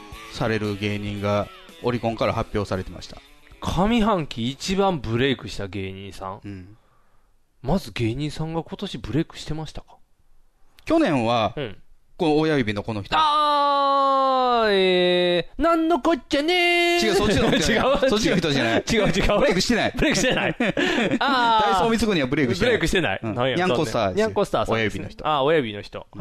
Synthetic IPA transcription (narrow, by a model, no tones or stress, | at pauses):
saɾe̞ɾɯ̟ɡe̞ːɲ̟ĩŋɡa | o̞ɾʲikõ̞ŋkaɾahapʲjo̞ːsaɾe̞t̪e̞ma̰ɕi̥t̪akʰamʲiɦãŋkʲiːt͡ɕibãmbɯ̟ɾe̞ikɯ̟ɕi̥t̪aɡe̞ːɲ̟ḭ̃ːsã̰ŋ̃ | mazɨɡe̞ːɲ̟ĩːsãŋɡako̞t̪o̞ɕibɯ̟ɾe̞ːikɯ̟̥ɕi̥t̪e̞maɕi̥t̪ḁkḁ | kʲo̞nẽ̞ɰ̃βã | konoːjaibʲino̞kono̞çi̥t̪oa | e | nãnːokot͡ɕːanet͡ɕiɡaot͡ɕiɡaɯsot͡ɕiɡaçit̪oɕianait͡ɕiɡaɯt͡ɕiɡaɯɾekɯ̟ɕi̥t̪enaibɯ̟ɾekɯɕit̪enai | aasoːmʲit͡sɨkɯɲ̟iβabɯ̟ɾekɯibeɯɾekɯ̟ɕit̪e̞na̰ḭ̃nãjoɲʲãŋkost̪a̰ːd̪eɲʲãŋkosɨ̥t̪aːsjaibʲinoçi̥t̪oaojabʲinoçi̥t̪o̞̰